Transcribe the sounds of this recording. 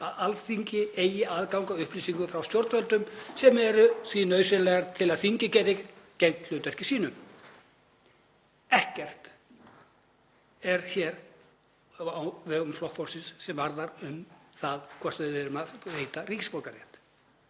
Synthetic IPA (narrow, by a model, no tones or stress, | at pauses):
aðalθiɲcɪeːjɪaːðkawŋkaʏhpliːsiŋkʏfɾawst̪jɔɾt̪vœlt̪ʏmsɛmɛɾʏθvinœɥsɪlɛɣaɾt̪ʰɪlaðθiɲcɪcɛːðɪcejŋt̪lœːt̪ɛr̥cɪsiːnʏm | ɛhcɛr̥t̪ | ɛɾçɛːɾ | avɛɣʏmflɔhfɔlsɪnsːɛmvaɾðaɾʏmθaðkʰvɔr̥t̪avɪðvɪːɾʏmaðheːjt̪ariːcɪspowlkaɾjɛ̰ht̪